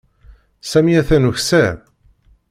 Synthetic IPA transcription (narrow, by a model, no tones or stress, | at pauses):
sæmiæθænuçsæ